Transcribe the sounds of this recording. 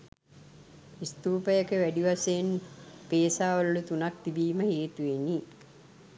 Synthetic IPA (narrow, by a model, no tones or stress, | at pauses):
ist̪uːpəjəkəʋæɖiʋasejenpeːsaːʋəluːut̪unak̚t̪ibiːməheːt̪uʋenːi